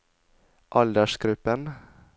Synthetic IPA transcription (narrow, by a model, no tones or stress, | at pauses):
ʔɑld̪əʃɡ̥ɾʉpən